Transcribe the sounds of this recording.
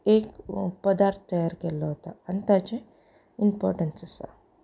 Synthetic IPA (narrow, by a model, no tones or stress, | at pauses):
eːkpɐd̪aːɾt̪ʰt̪ɐjaːɾkɛlːɐʋt̪aɐnt̪aːt͡ʃe | impoːɾʈɐnsɐsa̰